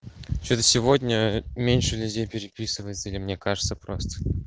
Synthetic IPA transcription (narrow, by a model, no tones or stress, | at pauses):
t͡ɕot̪əsʲɪvo̞dʲnʲəmʲenʲʂɨlʲʉdʲejpʲɪɾʲɪpʲisɨvəjɪt̪səilʲɪmnʲe̞kaʐɨt̪səpɾost̪ə̥